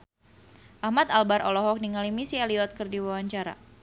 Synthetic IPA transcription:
ʔahmat̪albaɾɔlɔɦɔk̚niŋalimisialiɔt̪̚kɨrdiwawaɲt͡ʃaɾa̰

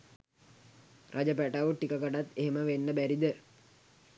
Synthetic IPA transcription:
rʔad͡ʒəpæʈaʋʈikəkəʈat̪ːeɦeməʋenːəbæɾid̪ə

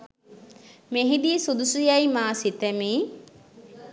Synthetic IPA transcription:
meɦid̪isud̪usujajmaːsit̪əmiː

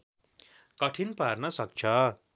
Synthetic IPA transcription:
kʌʈʰinparnʌsʌk̚t͡sʰʌ

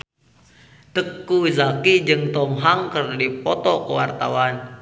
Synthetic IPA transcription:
t̪əkːuizakid͡ʒɨŋt̪ɔmɦaŋkərdipɔt̪ɔkəwart̪a̰wan

